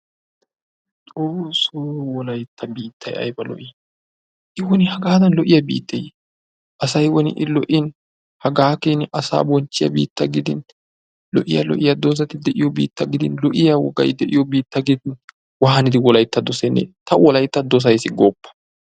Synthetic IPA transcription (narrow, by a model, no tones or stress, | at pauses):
t͡sʼoːsoːwɔlɐjt̪ʰːɐbiːt̪ʰːɐjɐ̰jbɐlɔ̰ʔɪ | ʔɪwɔnɪhɐɡaːd̪ɐnlɔʔɪjɐbḭːt̪ːej | ʔɐsɐjwɔnɪ̰ʔɪlɔʔɪn | hɐɡaːkenɪɐsa̰ːbɔnt͡ʃːɪjɐ̰bḭːt̪ːɐɡɪd̪ɪn | lɔ̰ʔɪ̰jɐlɔ̰ʔɪjɐd̪ɔs̬ɐt̪ɪd̪ɛʔɪjɔbḭːt̪ːɐɡɪd̪ɪnlɔʔɪjawɔ̰ɡɐ̰jd̪ɛʔɪjɔbiːt̪ːɐɡɪd̪ɪn | wɐɦɐnɪd̪ɪwɔlɐjt̪ːɐd̪ɔsɛnːḛt̪ɐwɔlɐjt̪ːɐd̪ɔs̬ɐjsɪɡoːpːɐ̥